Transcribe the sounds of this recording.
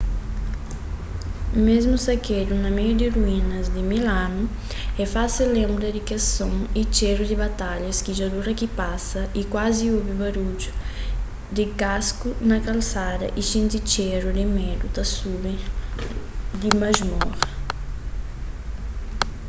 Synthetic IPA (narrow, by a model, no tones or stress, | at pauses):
mezmusaked̪unɐmejud̪ɪruinɐzd̪ɪmilanu | ɛfaselẽmbɾɐd̪ɪkasõŋit͡ʃeɾud̪ɪbat̪aʎɐskiʒad̪uɾɐkipasɐʔikwaziobɪbaɾud͡ʒu | d̪ɪkaskunakalsad̪ɐ̰ʔiʃĩnt̪it͡ʃɛɾud̪ɪmɛd̪ut̪asubẽ | d̪imaʒmɔɾɐ